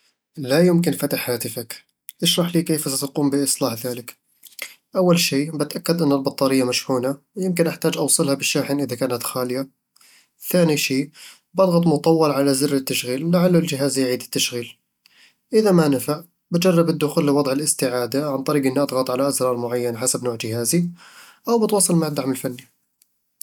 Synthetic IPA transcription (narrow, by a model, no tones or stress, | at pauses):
lajʊmkɪnfat̪aħhaːt̪ɪfak | ʔɪʃɾˤɑħliːkeːfasat̪aquːmbɪʔɨsˤlɑːħðaːlɪk | ʔawːalʃiːbɪt̪ʔakːad̪ʔɪnːɪlbɑt̪ˤːɑːɾɪjːamaʃhuːnawjɪmkɪnʔaħt̪aːd͡ʒʔɑwsˤɨlhabɪʃːaːħɪnʔɪðakaːnat̪xaːlɪja | θaːniʃiː | bʔɑd̪ɣɑt̪ˤmʊt̪ˤɑwːɑlʕalazɪrːɪt̪ːaʃɣiːlːaʕalːʊld͡ʒɪɦaːzjʕiːd̪ɪt̪ːaʃɣiːl | ʔɪðamanafaʔ | bad͡ʒarˤːɑbɪd̪ːʊxuːlːɪwɑd̪ˤʕɪlɪst̪ɪʕaːd̪aʕant̪ˤɑɾiːɡʔɪnːiʔɑd̪ˤɣɑt̪ˤʕalaʔazɾˤɑːɾˤmʊʕajːanħasabnoːʕd͡ʒɪhaːzi | ʔawbɪt̪wɑːsˤɨlmaʕd̪aʕmɪlfanːi